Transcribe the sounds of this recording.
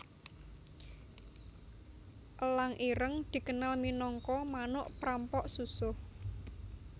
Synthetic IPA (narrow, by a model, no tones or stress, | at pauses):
ʔəlaŋʔiɾəŋd̪̥i̤kənalminɔŋkɔmanʊʔpɾampɔʔsusʊh